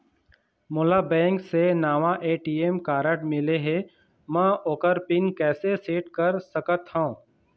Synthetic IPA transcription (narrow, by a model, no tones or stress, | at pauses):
mʊːlabɛ̃ːŋksenaːʋaʔeːʈiːemkaːɾəʈmɪleɦe | mɛ̃oːkəɾpɪnkɛːseseːʈkəɾsəkət̪ɦõː